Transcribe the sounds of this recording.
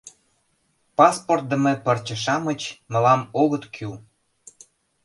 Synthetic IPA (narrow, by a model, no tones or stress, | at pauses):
pɑsport̪̚d̪ə̆mepə̆rt͡ɕə̆ʃ̬ɑmə̆t͡ɕmə̆lɑmoɣət̪kʰy